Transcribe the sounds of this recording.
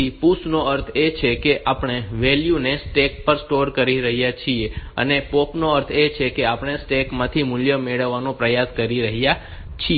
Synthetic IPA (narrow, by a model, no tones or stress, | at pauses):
ipusnoəɾt̪ʰet͡ʃʰekeʔapɳ̃eʋeljunesʈek̚pəɾsʈoɾkəɾiɾəɦijat͡ʃʰieə̰nepopnoəɾt̪ʰet͡ʃʰekeapɳ̃esʈekmãt̪ʰimʊljəmeɭəʋːanũpɾəjaskəɾiɾəɦija | t͡ʃʰi